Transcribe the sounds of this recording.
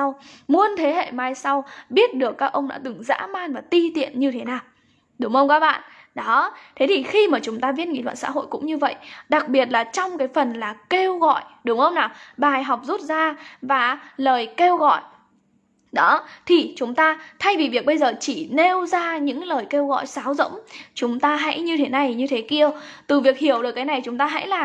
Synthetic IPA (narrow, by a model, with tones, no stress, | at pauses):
wmu˧ənt̪ʰe˨˦hḛ˧˨maː˧jsa˧wɓi˦˥ət̚ɗɨ˨˩əkːaː˦˥k̚ʔə˧wŋ͡mnɔ̰˧˥t̪ɨ˨˩ŋza̰ː˧˥maː˧nvaː˨˩t̪i˧t̪ḭ˧˨ənɲɨ˧t̪ʰe˨˦naː˨˩w | ɗʊ˨˩˦ŋ͡mŋʔə˧wŋ͡mkaː˦˥k̚ɓa̰ː˧˨n | ɗɔ˨˦t̪ʰe˨˦t̪ʰi˨˩xi˧maː˨˩t͡ɕʊ˨˦ŋ͡mt̪aː˧vi˦˥ət̚ŋḭ˧˥˨lw̰ːnsa̰ː˧˥ɦo̰˧˨jkʊ̰˧˥ŋ͡mɲɨ˧və̰˧˨jɗa˨˩k̚ɓi˨˩ət̚laː˨˩t͡ɕɔ˧wŋ͡mkaː˨˦jfə˨˩nlaː˨˩ke˧wɣɔ̰˧˨jɗʊ˨˦ŋ͡mʔə˧wŋ͡mnaː˨˩wɓaː˨˩jɦa˨˩wk͡p̚zu˦˥t̚zaː˧vaː˨˩ləː˨˩jke˧wɣɔ̰˧˨j | ɗɔ˨˦t̪ʰi˨˩t͡ɕʊ˨˦ŋ͡mt̪aː˧t̪ʰa˧jvi˨˩vi˨˩ək̚ɓə˧jzəː˨˩t͡ɕi˧˩ne˧wzaː˧ɲɨ̰˧˥ŋləː˨˩jke˧wɣɔ̰˧˨jsaː˨˦wzə̰˧˥wmt͡ɕʊ˨˦ŋ͡mt̪aː˧ɦa̰˧˥jɲɨ˧t̪ʰe˨˦na˧jɲɨ˧t̪ʰe˨˦ki˧ə | t̪ɨ˨˩vi˨˩ək̚hi˧˩əwɗəkːaː˨˦jna˨˩jt͡ɕʊ˨˦ŋ͡mt̪aː˧ɦa̰˧˥jlaː˨˩